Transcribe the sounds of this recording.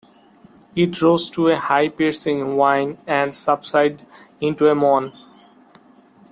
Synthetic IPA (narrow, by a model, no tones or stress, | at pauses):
ɪʈɾoːzʈʰuehaɪpeɾsɪ̃ŋʋãɪ̃nɛ̃ɳɖsʌbsaɪɖɪ̃ɳʈuemɔ̃ːn